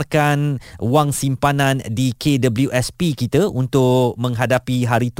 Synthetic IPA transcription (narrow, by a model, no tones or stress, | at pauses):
rkanwaŋsimpanãndikʰedəbəljuʔɛspikit̪aʔunt̪ʊʔmə̃ŋɦadapiɦaɾit̪